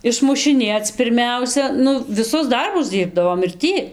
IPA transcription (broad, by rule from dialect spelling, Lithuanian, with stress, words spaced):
ɪʃmʊʃʲɪˈnʲeːt͡s pʲɪrʲˈmʲɛʊsʲɛ ˈnʊ ʋʲɪˈsʊs ˈdɐrbʊs ˈdʲiːrbdɐʋoːm ɪr ˈtʲiː